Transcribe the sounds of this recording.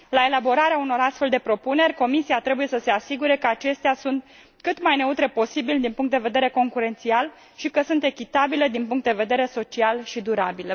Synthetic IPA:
lae̞labo̞ɾaɾeauno̞ɾast̪fe̞ld̪e̞pɾo̞pune̞rʲko̞misiat̪ɾe̞bujesəse̞asiɡuɾe̞kəat͡ʃe̞st̪easunt̪ | kɨt̪majne̞ut̪ɾe̞po̞sibild̪inpuŋkt̪d̪eve̞d̪e̞ɾe̞ko̞ŋkuɾe̞nt̪sial | ʃikəsunt̪e̞kʲit̪abile̞d̪inpuŋkt̪d̪eve̞d̪e̞ɾe̞so̞t͡ʃialʃid̪uɾabil

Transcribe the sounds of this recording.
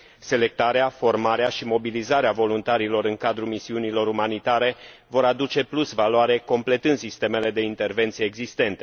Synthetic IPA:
se̞le̞k̚t̪aɾeafo̞rmaɾeaʃimo̞bilizaɾeavo̞lunt̪aɾilo̞ɾɨŋkad̪ɾumisiunilo̞ɾumanit̪aɾe̞vo̞ɾad̪ut͡ʃe̞plusvaloaɾe̞ko̞mple̞t̪ɨnd̪sist̪e̞me̞le̞d̪e̞int̪e̞rve̞nt̪sijeːɡzist̪e̞nt̪e

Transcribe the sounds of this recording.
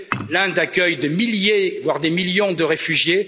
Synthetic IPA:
lɛ̃d̪akʲœjd̪emiljevwaʁd̪emiljɔ̃d̪əʁefyʒje

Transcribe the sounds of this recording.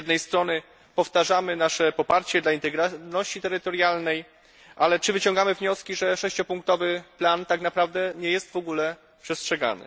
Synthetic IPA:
d̪nɛjst̪ɾɔnɘ | pɔft̪aʐamɘnaʂɛpɔpaɾt͡ɕɛd̪laint̪ɛɡɾanɔɕt͡ɕit̪ɛɾɘt̪ɔɾjalnɛj | ʔalɛt͡ʂɘvɘt͡ɕɔ̃ŋɡamɘvɲɔskʲiʐɛʂɛɕt͡ɕɔpuŋk̚t̪ɔvɘplant̪aknapɾavd̪ɛɲɛjɛst̪vɔɡulɛ | pʂɛstʂɛɡa̰nɘ̰

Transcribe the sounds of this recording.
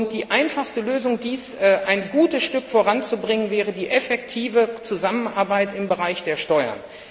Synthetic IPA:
ʊnt̚d̥iːʔaɪnfaχstəløːzʊŋdiːsɛʔaɪnɡuːtəsʃtʏkfoːʁant͡subʁɪŋənvɛːʁədiːʔɛfɛk̚tʰiːvət͡suzamənʔaɐbaɪtɪmbəʁaɪçd̥eːɐʃtɔʏɐ̰n

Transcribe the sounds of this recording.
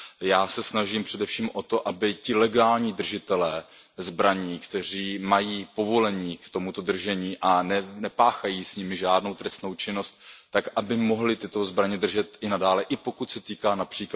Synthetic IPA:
jaːsɛsnaʒiːmpr̝̥ɛdɛfʃiːmʔo̞t̪o̞ʔabɪcɪlɛɡaːlɲiːd̪r̩ʒɪt̪ɛlɛːzbɾaɲiːkt̪ɛr̝iːmajiːpo̞vo̞lɛɲiːkt̪o̞mut̪o̞d̪r̩ʒɛɲiːʔanɛnɛpaːxajiːsɲɪmɪʒaːdno̞wt̪ɾɛst̪no̞wt͡ʃɪno̞st̪̚ːakʔabɪmo̞ɦlɪt̪ɪt̪o̞zbɾaɲɛd̪r̩ʒɛt̪ɪnadaːlɛʔɪpo̞kut̪sɛt̪iːkaːnapr̥iːk

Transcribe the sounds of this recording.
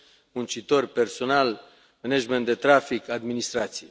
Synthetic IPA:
munt͡ʃit̪o̞rperso̞nal | menad͡ʒment̪d̪et̪ɾafikad̪minist̪ɾat̪sije

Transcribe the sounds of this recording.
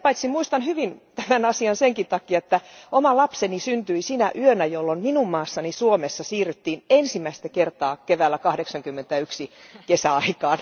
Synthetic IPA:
pɑit̪simmuist̪ɑnhyʋint̪æmænɑsiɑnseŋkint̪ɑkiɑet̪ːæomɑlɑpsenisynt̪yisiːnæʔyønæjolːomminummɑːsːɑnisuomesːɑsiːryt̪ːiːnensimːˑæist̪ækert̪ɑːkeʋæːlːækɑhdeksɑŋkymːent̪æyksikesæɑikɑːn

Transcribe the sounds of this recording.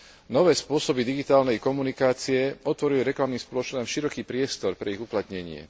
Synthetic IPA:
nɔʋɛːspʊɔsɔbid̪iɡit̪aːlnɛjkɔmunikaːt͡siɛɔt̪ʋɔɾiliɾɛklamniːmspɔlɔt͡ʃnɔamʃiɾɔkiːpɾɪɛst̪ɔɾpɾɛiɣuplat̪ɲɛɲɪɛ̰

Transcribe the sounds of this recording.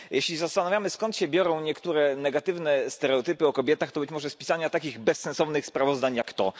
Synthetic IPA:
jʔeɕlʲizast̪anavʲjamɘskɔnt̪ɕɛbʲjɔɾɔ̃w̃ɲɛkt̪uɾɛnɛɡat̪ɘvnɛst̪ɛɾɛɔt̪ɘpɘɔkɔbʲjɛt̪axt̪ɔbɘt͡ɕmɔʐɛspʲi̥saɲat̪akʲiɣbɛsːɛ̃nsɔvnɘxspɾavɔzd̪aɲjakt̪ɔ

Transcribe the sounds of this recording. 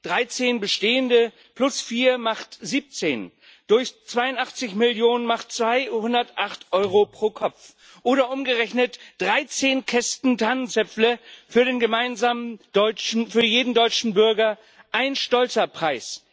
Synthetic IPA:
d̥ʁaɪt͡seːnbəʃteːəndə | plʊsfiːɐmaχtziːp̚t͡seːn | d̥ʊɐçt͡sv̥aɪʊntʔaχt͡sɪçmɪljoːnənmaχtt͡sv̥aɪhʊndɐtʔaχtʔɔʏʁopʁ̥oːkʰɔp͡f | ʔoːɾɐʔʊmɡəʁɛçnətd̥ʁaɪt͡seːnkʰɛstn̩tʰanənt͡sɛpp͡ffləfyːɐɾeːnɡəmaɪnzaːmənd̥ɔʏt͡ʃn̩fyːɐjeːdn̩dɔʏt͡ʃn̩bʏɐɡɐ | ʔaɪnənʃtɔlt͡sɐpʁ̥aɪs

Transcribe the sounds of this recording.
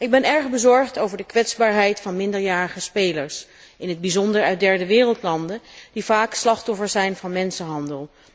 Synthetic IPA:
ɪɡ̚bɛnɛɹχbəzɔɹχtowvəɹdəkʋɛtzbaːɹɦɛjtfɑnmɪndəɹjaːɹəχəspejləɹsɪnɦəd̚bizɔndəɹœɥd̚dɛɹdəʋɪːrəlˠtlɑndəd̥ivaːkslɑχtɔfəɹsɛjnvɑnmɛnsənɦɑndəlˠ

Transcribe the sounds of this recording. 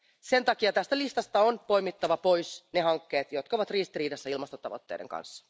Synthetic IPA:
se̞nt̪ɑkiɑt̪æst̪ælist̪ɑst̪ɑonpo̞jmit̪ːɑʋɑpo̞jsne̞hɑŋkːe̞ːt̪jo̞t̪̚kɑoʋɑt̪riːst̪iriːdɑsːæilmɑst̪ot̪ɑ̰ʋo̰t̪ːḛdḛŋkɑ̰nsːɑ̥

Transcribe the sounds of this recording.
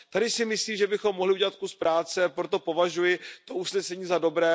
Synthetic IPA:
t̪adɪsɪmɪsliːmʒɛbɪxo̞mːoɦlɪʔuɟɛlat̪̚kuspɾaːt͡sɛpɾo̞t̪o̞po̞vaʒujɪt̪o̞ʔusnɛsɛɲiːzado̞bɾɛː

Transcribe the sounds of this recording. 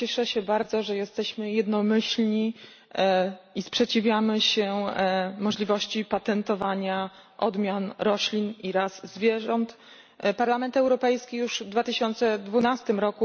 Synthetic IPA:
t͡ɕɛʂɛɕɛbaɾd̪zɔʐɛjɛst̪ɛɕmɘjɛd̪nɔmɘɕlɲi | ispʂɛt͡ɕivʲjamɘɕɛ | mɔʐlʲivɔɕt͡ɕipat̪ɛnt̪ɔvaɲaʔɔd̪mʲjanɾɔɕlʲiniɾazːvʲjɛʐɔnt̪ | paɾlamɛnt̪ɛwɾɔpɛjskʲijuʐd̪vat̪ɘɕɔnt̪sɛd̪vunast̪ɘmɾɔku

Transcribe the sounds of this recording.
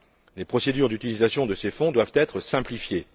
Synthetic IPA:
lepχɔsed̪yʁd̪yt̪ilizasjɔ̃d̪əsefɔ̃d̪wavt̪ɛt̪χəsɛ̃plifje

